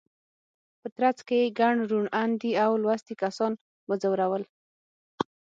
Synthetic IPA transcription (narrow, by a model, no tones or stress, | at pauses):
pət̪ɾat͡skejeɡaɳɾuɳand̪iawlwast̪ikasɑn | wəzawɾawəl